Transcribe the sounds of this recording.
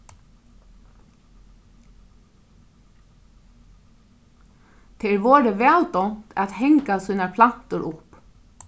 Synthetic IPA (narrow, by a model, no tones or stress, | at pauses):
t̪ʰɛɾʋɔːɾəʋɛːlt̪ɔnt̪æ̰t̪hɛŋkasuːnapʰlan̥t̪ʊɾʊp